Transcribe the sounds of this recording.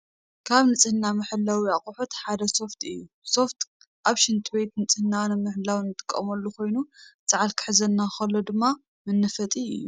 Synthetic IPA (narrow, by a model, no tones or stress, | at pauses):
kʰaβnɨt͡sʼɨhɨnːamɨħɨlːawiaχʼuħut̪ħad̪ɐso̞ft̪ʰɨ̰jːu | so̞ft̪ʰ | ʔaβʃɨnt̪ʼʰɨbejt̪nɨt͡sʼɨhɨnawnmɨħɨlːawnːɨt̪ʼɨ̥kʼːɐmɐlːukʰo̞jnut͡sʼɨʕalkʰɨ̥ħɨzɐnːaxɐlːo̞d̪ɨmːa | mɨnːɨfɐt̪ʼiɨ̰jːu